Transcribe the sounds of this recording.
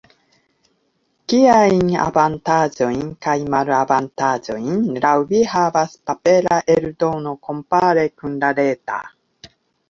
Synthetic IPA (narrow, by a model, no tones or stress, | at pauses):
kiaiŋa̰bant̪aːd͡ʒoiŋkajmaɾɯabant̪aːd͡ʒoinɾawbihavaspapeɾaʔeɾɯd̪onokompaːɾekɯndaɾeːt̪a̰